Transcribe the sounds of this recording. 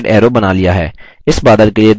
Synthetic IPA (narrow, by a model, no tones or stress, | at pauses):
ɖɛːɾobɐnaːlijaɦɛ̰ː | ɪsbaːd̪əɾkelied̪